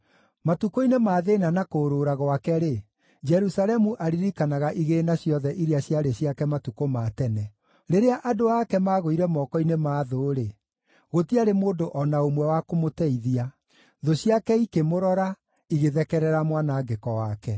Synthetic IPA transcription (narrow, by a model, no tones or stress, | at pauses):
matukoinemaːðenanakoːɾoːɾaɣwakɛɾe | d͡ʒɛɾusalɛmuʔaɾiɾikanaɣaʔiɣenaɕjɔðɛʔiɾiaɕjaɾeɕiakɛmatukomatɛnɛ | ɾeɾeaʔadoakɛmaːɣoiɾɛmɔkɔinemaːðoɾe | ɣotiaɾemoːndoʔɔnaomwɛwakomotɛiðia | ðoɕjakɛikemoɾɔɾa | iɣeðɛkɛɾɛɾamwanaːɡekɔwakɛ